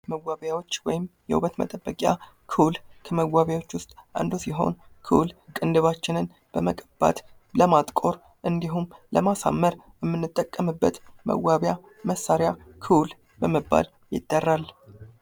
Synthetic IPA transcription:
məwːaβjawo̞t͡ʃːwɔjɪmjɛ̰ʔṵβət̪mə̰t̪ʼəbːəkʼja | kʰɨwlkʰəməwːaβjawo̞t͡ʃːwʊst̪ʼʔa̰nd̪osiɦo̞̰nkʰɨwlkʼɨnd̪ɨβat͡ʃːɪnɨn | b̥əməkʼəb̥a̰t̪ | ləmat̪ʼkʼo̞ɾ | ʔɨnd̪iɦumləmasa̰mːəɾjɛmːɨnːɨt̪ʼːəkʼːəmɨbːət̪mə̰wːaβja | məsːaɾjakʰɨwl | bəməbːa̰l | jɪ̰d̪̥ːərːal

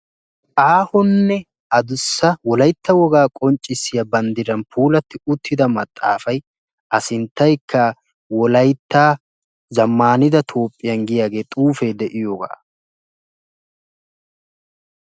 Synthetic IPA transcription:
ʔaːhʊnːɛ | ɐd̪ʊsːɐwɔlɐjt̪ːɐwɔɡaːkʼɔnt͡ʃʼːɪsːɪjɐbɐnd̪ɪɾɐnpʰuːlɐt̪ːɪʊt̪ʰːɪd̪ɐmɐt̪ʼːa̰ːfɐj | ʔɐsɪnt̪ːɐjkːɐ | wɔlɐjt̪ːaː | zɐmːaːnɪd̪ɐt̪ʰo̞ːpʼːɪjɐnɡɪjaːɡe̞ːt̪ʼuːfed̪ɛʔɪjoːɡa̰ː

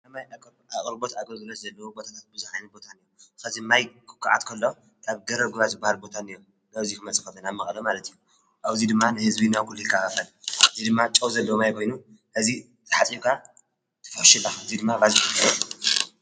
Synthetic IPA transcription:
ɐmajʼ | akʼɾbo̞t̪akʼɐɾzɨlɐt̪zɐlːɐwobo̞t̪ʰat̪ʰat̪̚bɨzuħajnɐt̪̚bo̞t̪ʰanijːuxɐzimajkʰɨ̥kʰːaʔʕa̰t̪kʰɐlːo̞ | k̪ʰʼaβɡɐɾɐɡuβazɨbːahalbo̞t̪ʰanijo | ɡɐzikʰɨmɐt͡sʼɨ̥kɐt̪ɐnamɐxʼlomalɐt̪ɨjːu | ʔaβzid̪ɨmːanɨhɨzbinawkʰulːujikʰːaafɐlʔɨzid̪ɨmːat͡ʃʼɐwzɐlːɐwomajkʰo̞jnu | ʔɨzi | zʰɐħat͡sʼikʰa | t̪ʰɐ̥fɐħʃilːaɨzid̪ɨmːaβazikɨɐlɐ

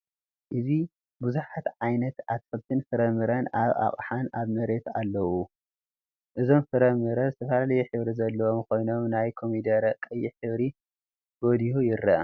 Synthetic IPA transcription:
ʔɨzi | buzuħat̪ʕajnɐt̪at̪fɐlt̪ʰɨnfɨɾɐmɨɾɐnaβa̰χʼħanaβmɐɾe̞t̪alːɐwu | ʔɨzo̞mfɨɾɐmɨɾɐzɨt̪ʰɐfalalɐjuħɨβɾizɐlːɐwomkʰo̞jno̞mnajkʰomid̪ɐɾɐkʼːɨjːiħɨβɾi | ɡo̞d̪ihujɪɾːɐʔ

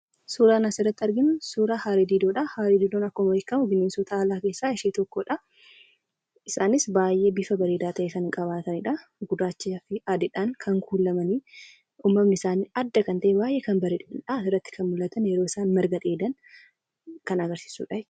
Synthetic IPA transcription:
suːɾaːnɐsɪrːɐt̪ːɪɐɾɡɪnʊsuːɾaːhaːɾid̪iːd̪oːᶑɐhaːɾid̪iːd̪onɐkːɔmwɐjɪkːɐmʊbɪneːnsɔt̪ʰɐaːlaːke̞ːsːaːɪʃeːt̪ɔkːoːᶑɐ | ɪsaːnɪsbaːjʔebɪfɐbɐɾeːd̪aːt̪ʰɐʔeːsɐnɪŋkʼɐβaːt̪ɐnɪᶑɐɡʊd̪aːt͡ʃːiɐfɪad̪ɪᶑaŋkʰɐŋkuːlːɐmɐniː | umːɐmːɪɪsaːniɐd̪ːɐkɐnt̪ɐʔebaːjʔeːkɐnbɐɾeᶑᶑɐsɪrːɐt̪ːɪ̥kʰɐnmʊlːɐt̪ɐnjɛɾoːɪsaːnmɐɾɡɐᶑ̪eːd̪ɐn | kɐnɐɡɐɾsi̥ːsṵːᶑɐ

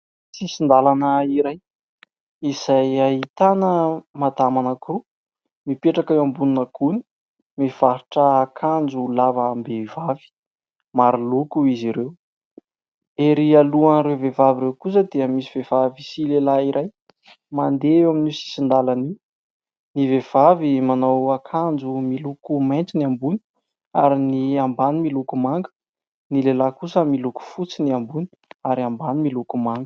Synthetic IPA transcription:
sisind̪alanəiɾaj | iz̥ajait̪anəmat̪amanakuru | mipeʈ͡ʂakewambuninəkʰuni̥ | mev̥aɾiʈ͡ʂəakʰand͡zuuulavaːmbevavi̥ | maɾilukuiziɾew | eɾialuanrewvevaviɾewkus̬əd̪eəmisivevavisilelaiɾʔaj | mand̪eewaminisi̥sind̪alani | nivev̥avimanowakʰand͡ʒumilukumajnt͡siniambuni̥ | a̰ɾiniambanimilukumaŋɡə̥ | nilelakusəmiluku̥fut͡siniambuni̥aɾambanimilukumaŋɡə̥

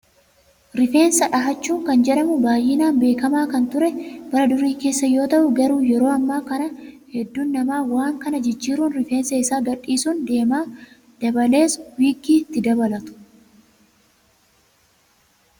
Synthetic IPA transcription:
ɾɪfe̞ːnsɐᶑɐɦɐt͡ʃːuːŋkɐnd͡ʒɛᶑɐmʊbaːjːɪnaːnbe̞ːkɐmaːkɐnt̪ʊɾɛb̥ɐɾɐd̪ʊɾiːke̞ːsːɐjo̞ːt̪ɐʔʊɡɐɾuːjɛɾo̞ːɐmːaːkɐnɐ | hɛd̪ːuːnːɐmaːwaːŋkɐnɐd͡ʒɪd͡ʒːiːɾuːnɾɪfe̞ːnsɐɪsaːɡɐᶑiːsund̪e̞ːmaː | d̪̥ɐbɐle̞ːswiːɡiːt̪ːɪd̪ɐbɐlɐt̪ʊ̥

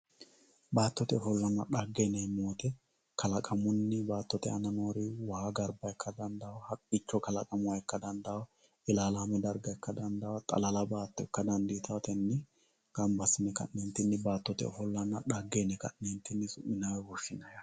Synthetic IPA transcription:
baːt̪ːɔt̪ɛɔfɔlːɐnːɐɗɐɡːenɛjmoːt̪ɛ | kʰɐlɐkʼɐmʊnːɪbaːt̪ːɔt̪ɛɐnɐnoːɾɪwɐhaɡɐɾbɐkːɐd̪ɐnd̪ɐwhɐtʼːɪt͡ʃːɔkɐlɐkʼɐmʊwɐɛkːɐd̪ɐnd̪ɐwɐ | ɪlaːlaːmɛd̪ɐɾɡɐɛkːɐd̪ɐnd̪ɐwɐt̪ʼɐ̰lɐlɐbaːt̪ːɔkːɐd̪ɐnd̪it̪ʰɐt̪ɛnːɪ | ɡ̥ɐmbɐsɪnɛkɐ̰nːɛnt̪ːɪnːɪbaːt̪ːɔt̪ɛ̰ɔfɔlːɐnːɐɗaɡːenɛkɐ̰ʔneːnt̪ːɪnːɪsʊmːɪnaːwɛɡɔʃːɪnɐja

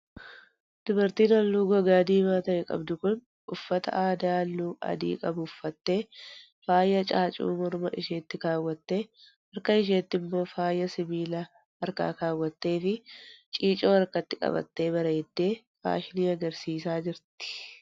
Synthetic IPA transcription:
d̪̥ʊbɐɾt̪iːnɐlːuːɡɔɡaːd̪iːmaːt̪ɐɛkʼɐ̰bd̪ʊkʊn | ʊfːɐt̪ɐ̰ʔaːd̪aːlːuːʔɐ̰d̪ḭːkʼɐbʊʊfːɐt̪ːe̞ː | faːjːɐt͡ʃʼaːt͡ʃʼṵːmɔɾmɐʔɪʃeːt̪ːɪkaːwːɐt̪ːe̞ː | hɐɾkɐɪʃ̬eːt̪ːɪmːo̞ːfaːjːɐsɪmiːlɐ | ɐɾka̰ːkaːwːɐt̪ːe̞ːfɪt͡ʃʼiːt͡ʃʼo̞ːɐɾkɐt̪ːɪkʼɐ̰bɐ̰t̪ːe̞ːbɐɾɐːd̪̥ːe̞ː | fa̰ːʃɪniːɐɡɐɾsiːsaːd͡ʒɪɾt̪ɪ̥

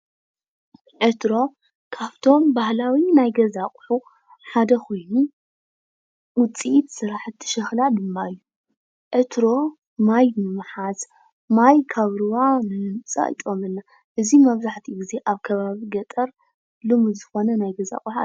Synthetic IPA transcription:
ʕet̪ɾo̞ | kʰaβt̪ʰo̞mbahlawinajɡɐzakʼħu | ħad̪ɐkʰo̞jnu | wʊt͡sʼit̪sɨɾaħɨt̪ʰːɨ̥ʃɐxlad̪ɨmːajːu | ʕet̪ʰɾo̞ | majbɨmːɨħaz | majkʰaβɾɨwanɨlɨmt͡sʼa̰ɨ̰t̪ʼomɨnːa | ʔɨzimɐβzaħt̪ʰiɡize̞ʔaβkʰɐβaβiɡɐt̪ʼɐɾ | lɨmuzɨxo̞nɐnajɡɐza̰kʼuħa̰

